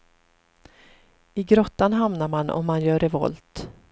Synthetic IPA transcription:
ɪɡɾɔt̪ːanɦamnaɾmanɔ̰mːanjœːɾɛvɔ̰lt̪

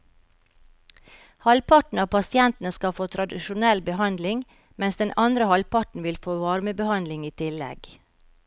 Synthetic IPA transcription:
hɑlpʰɑʈɳ̩ɑːpʰɑsɪɛnt̪n̩əskɑfoːt̪ʰɾɑd̪ɪʃʊnɛlbəhɑnd̪lɪŋ | mɛnsd̪ɛnʔɑnd̪ɾəhɑlpɑʈn̩ʋɪlfoːʋɑɾməbəhɑnd̪lɪŋiːt̪ʰɪlɛ̰ɡ̥

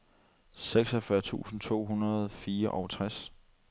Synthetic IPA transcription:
seɡ̥sɒfɶɐt͡sʰṵːsn̩t͡sʰo̝̰ːɦunɐð̞̩ˠfiːɐʔɒ̽ʊt͡sʰʁas

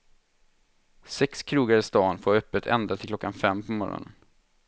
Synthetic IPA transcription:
sɛkskʰɾuːɡaɾɪst̪ɑːnfoːɾœpːət̪ʰɛ̰nd̪at̪ʰɪlkʰlɔkːanfɛmːpʰɔmɔɾɔ̰nən

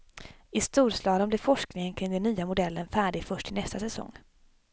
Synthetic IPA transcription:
ɪst̪uːɾslɑːd̪ənblɪɾfɔʂknɪŋənkʰɾɪŋd̪ɛnyːamʊd̪ɛlːənfæːɖɪɡfœʂʈɪnɛst̪asɛsɔ̰ŋː

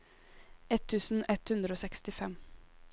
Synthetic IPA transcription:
ɛt̪ʰʉːsn̩ɛt̪hʉnd̪ɾəoːsɛkst̪ɪfɛm

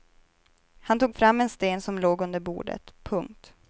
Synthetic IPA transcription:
hant̪uːɡfɾamːɛnst̪eːnsɔmloːɡɵnd̪əɾbṵːɖə̰t̪pʰɵŋk̚t̪

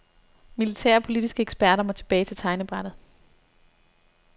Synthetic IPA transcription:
milit͡sʰæ̰ɐ̰pʰo̝lid̥isɡ̥əeɡ̥sb̥æɐɾɐmɒt͡sʰe̝b̥ɛːɪt͡sʰe̝lt͡sʰɑ̈ɪnəb̥ʁaɾ̥ð̩ˠ

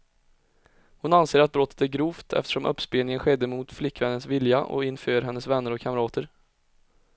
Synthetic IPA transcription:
hʊnanseːɾat̪̚bɾɔt̪ːə̥t̪æɾɡɾuːft̪ʰɛ̰ft̪ə̥ʂɔmʔɵ̰pːspeːnɪŋənɧɛd̪ːəmʊt̪flɪkːvɛnːənsvɪljaʔɔ̰ɪnføːɾɦɛnːəsvɛnːəɾɔkʰːamɾɑːt̪ʰəɾ

